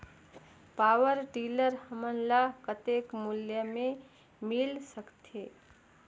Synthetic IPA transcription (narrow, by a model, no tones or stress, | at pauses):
paːwəɾɖiːləɾhəmənlakət̪ekmʊljəmẽ | mɪlsəkt̪eː